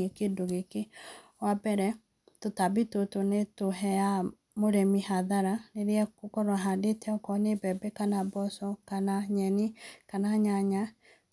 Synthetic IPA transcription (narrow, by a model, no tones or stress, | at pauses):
ekedoɣeke | wabɛɾɛ | totabitotonetoɦɛja | moɾɛmihaðaɾaneɾeɛkokɔɾwaɦadetɛɔkɔnebɛbɛkanabɔsɔkanaɲɛnikanaɲaɲa